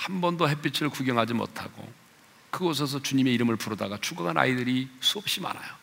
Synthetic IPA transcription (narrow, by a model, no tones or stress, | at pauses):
hambʌndoɦep͈it͡ɕʰiɾɯɭkuɡjʌŋɦad͡ʑimo̰tʰaɡo̰ | kɯɡos̬ʰes̬ʰʌt͡ɕuɲime̞iɾɯmɯɭpuɾʌdaɡat͡ɕʰuɡaŋana̰idɯɾisʰuʌp̚ɕ͈ima̰na̰jo